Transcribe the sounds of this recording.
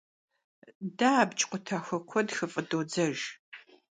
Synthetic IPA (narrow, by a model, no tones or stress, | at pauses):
daːbt͡ʃʼqʷʊtʰɐxɐkʷʰɔdxɨfʼɐdoːd͡zɐʒ